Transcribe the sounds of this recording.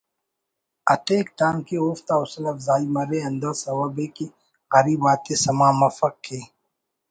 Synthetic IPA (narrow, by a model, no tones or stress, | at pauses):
ɐ̰t̪eːkt̪aːnkeoːft̪aːʊsɐlɐfzaːimɐɾeɐnd̪əːsɐwəbeke | aɾiːbaːt̪esɐmaːmɐfək̚keː